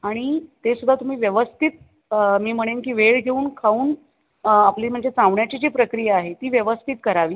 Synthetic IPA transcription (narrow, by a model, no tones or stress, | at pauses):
aɽ̃it̪esud̪ʱːat̪um̤iːʋjəʋəst̪ʰit̪̚ | miːm̤əɽ̃enkiːʋeɭɡʱeuːnkʰauːn | apliːm̤əɳd͡zet͡sãʋɳjat͡ɕid͡ʑiːpɾəkɾijaːɦet̪iːʋjəʋəst̪ʰit̪̚kəɾaʋiː